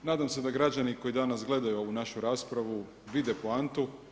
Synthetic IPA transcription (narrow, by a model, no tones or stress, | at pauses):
naːd̪amse̞d̪aɡɾad͡ʑaniko̞jid̪anasɡle̞d̪ajuounaʃuɾaːspɾaʋu | ʋid̪e̞poant̪u